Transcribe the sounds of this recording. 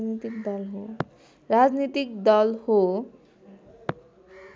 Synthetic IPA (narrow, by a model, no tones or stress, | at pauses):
nit̪ik̚d̪ʌlɦo | rad͡znit̪ikd̪ʌlho